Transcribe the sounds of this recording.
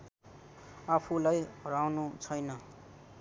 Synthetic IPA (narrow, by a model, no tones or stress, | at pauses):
apʰulajrawnut͡sʰʌjnʌ